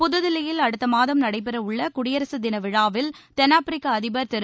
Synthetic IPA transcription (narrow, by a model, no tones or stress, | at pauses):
pʊðɯðɪlɪjɪlɐɽɯt̪ːɐmaːðɐmnɐɽɐɪp̬ːɐɾɐʊɭːɐkʊɽɪjɐɾɐsɯd̪ɪnɐʋɪɻaːʋɪlt̪ɛnaːpɪɾɪkːaɐðɪbɐɾt̪ɛɾɯ